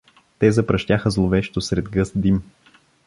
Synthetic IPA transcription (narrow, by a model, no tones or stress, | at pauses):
t̪ɛzɐpɾɐʃt̪jaxəzlˠovɛʃt̪osɾɛd̪ɡɤsd̪im